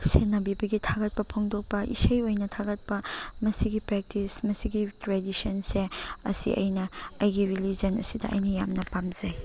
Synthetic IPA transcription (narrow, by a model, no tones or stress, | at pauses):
senɐbibɐɡitʰaɡɐt̚pɐpʰoŋdok̚pɐʔḭsɐjojnɐtʰaɡɐt̚pɐmɐsiɡipɾek̚tismɐsiɡitɾedisonseɐ̰sḭʔɐ̰jnɐɐjɡiɾilid͡ʒɐnɐ̰sidɐɐ̰jnɐjamnɐpamzɐj